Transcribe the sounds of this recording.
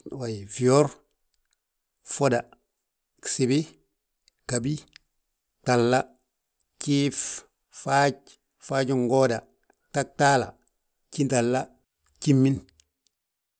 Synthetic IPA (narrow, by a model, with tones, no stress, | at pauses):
wa˨jfi˨o˦ɾ | fo˦da˨ | si˨bi˦ | ka˨bi˦ | ta˨lːa˦ | t͡ʃiː˦f | fa˦t͡ʃ̚ | faː˦d͡ʒu˦ŋɡɔ˦da˨ | ta˦k̚taː˦la̰˨ | t͡ʃi˦nta˨lːa˦ | t͡ʃi˦mːi˦n